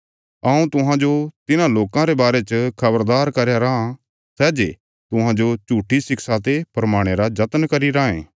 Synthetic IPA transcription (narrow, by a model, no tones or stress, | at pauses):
ɐũt̪ʊɦãd͡ʒot̪ɪnãloːkãɾebaːɾet͡ʃəkʰɐbəɾd̪aːɾkɐɾjaɾaã | sɛːd͡ʒḛː | t̪ʊɦãd͡ʒot͡ʃuːʈʰːisɪksat̪epɾɐmaːɽ̃eɾad͡ʒɐt̪nkɐɾiɾaːḛ̃ː